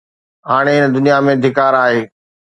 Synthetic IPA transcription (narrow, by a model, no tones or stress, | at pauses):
ɦaːɽ̃eɪnə̆d̪ʊnijamẽd̪ʱɪkaːɾaːɦeː